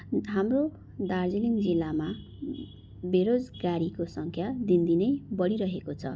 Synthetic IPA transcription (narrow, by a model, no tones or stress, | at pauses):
ɦamro | d̪ard͡ziliŋd͡zilːama | beɾod͡zɡaɾikosʌŋkʰjad̪ind̪inʌjbʌɽiɾʌɦekot͡sʰʌ̰